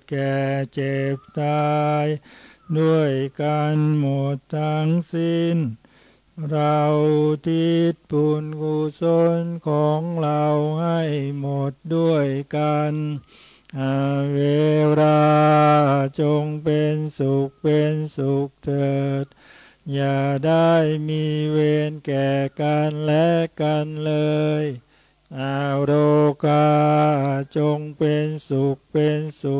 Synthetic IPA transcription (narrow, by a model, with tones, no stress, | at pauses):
kɛː˨˩t͡ɕe˨˩p̚t̪aː˧jdu˥˩əjkaː˧nmo˨˩t̪ːaː˧ŋsi˧˥˩n | ɾa˧wt̪ʰi˧˩t̪̚pu˧˩nkʰu˧so˧nkʰɔː˨˦ŋɾa˧wha˥˩jmo˨˩t̪̚du˥˩əjkaː˧n | ʔa˧˩weː˧ɾaː˧ | t͡ɕo˧ŋpe˧nsu˨˩k̚pe˧nsu˨˧˩k̚t̪ʰɤː˧˩t̪̚ | jaː˧˩da˥˩jmiː˧˥weː˧nkɛː˨˩ka˧nlɛ˦˥ka˧nlɤː˧j | ʔaː˧ɾoː˧kʰaː˧ | t͡ɕo˧ŋpe˧nsu˨˩k̚pe˧nsu˨˦